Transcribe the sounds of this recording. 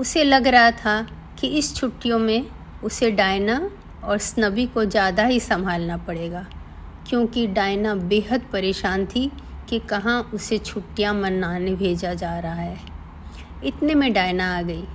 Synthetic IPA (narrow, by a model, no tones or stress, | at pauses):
ʊselɐɡɾɐɦat̪ʰa | kiɪst͡ʃʰʊʈːijõmẽ | ʊseɖaːɪna | ɔːɾsnɐbikod͡ʒjaːd̪aɦisɐmbʱaːlnapɐɽeːɡaː | kjõːkiɖaːɪnabeːɦəd̪pɐɾeːʃaːnt̪ʰikikɐɦãʔʊset͡ʃʰʊʈːijãmɐnːaːnebʱeːd͡ʒad͡ʒaːɾɐɦaɦɛː | ɪt̪nemẽɖaːɪnaaːɡɐiː